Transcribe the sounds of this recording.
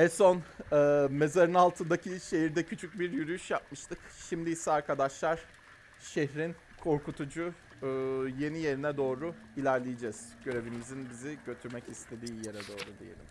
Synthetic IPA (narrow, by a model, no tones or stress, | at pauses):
ɛso̞nɯːme̞zaɾɯnalˠt̪ʰɯnd̪aciʃe̞ɦiɾd̪ɛcʰyt͡ʃʰyc̚biɾjyɾyjyʃjap̚mɯʃt̪ʰɯkʃimd̪iisɛaɾkʰad̪aʃlˠaɾ̥ | ʃeçɾin | kʰo̞ɾkut̪ʰud͡ʒuː | je̞nije̞ɾinɛd̪o̞ːɾʊ | ilʲæɾlʲejid͡ʒɛz̥ɟ̥ø̞ɾe̞vimizinbiziɟø̞t̪ʰyɾmɛcist̪ʰe̞d̪iːje̞ɾɛd̪o̞̰ːɾud̪ijelʲḭm